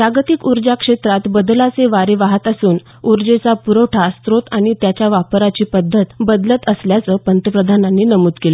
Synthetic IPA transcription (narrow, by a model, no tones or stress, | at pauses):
pɾaɡət̪ikuɾd͡ʑakʂet̪ɾat̪bəd̪lat͡seʋaɾeʋaɦət̪əsuːn | uɾd͡ʑet͡sapuɾəʈʰast̪ɾot̪aɽ̃it̪jat͡ɕjaʋapɾat͡ɕiːpəd̪ʱːət̪bəd̪lət̪əsljat͡səːpənt̪əpɾəd̪ʱananːiːnəmuːt̪kele